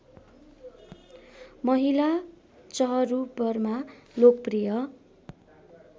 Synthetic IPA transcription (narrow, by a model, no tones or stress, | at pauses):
mʌɦila | t͡sʌɦʌrubʌrmalok̚prijʌ